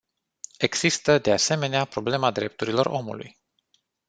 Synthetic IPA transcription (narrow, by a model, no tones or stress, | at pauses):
e̞ɡz̥ist̪əd̪e̞ase̞me̞neapɾo̞ble̞mad̪ɾe̞p̚t̪uɾilo̞ro̞̰mṵlṵj